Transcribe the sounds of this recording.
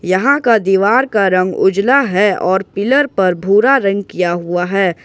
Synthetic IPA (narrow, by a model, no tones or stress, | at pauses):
jɐɦãkad̪iːʋaːɾkaɾɐ̃ŋɡʊ̰d͡ʒlaɦɛɔːɾpɪləɾpɐɾbʱuːɾaɾɐ̃ŋɡ̚kijaɦuaɦɛː